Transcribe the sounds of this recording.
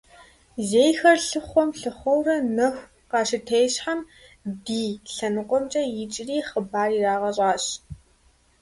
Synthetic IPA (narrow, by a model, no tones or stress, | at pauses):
zeːjxɐrɬɨχʷɔmɬɨχʷɔwrɐnɐxʷ | qɑːʃɪtʰeːjɕħam | diːɬɐnɨqʷʼɔmt͡ʃʼɐjɪt͡ʃʼriːχəbaːriraːʁɐɕʼaːɕ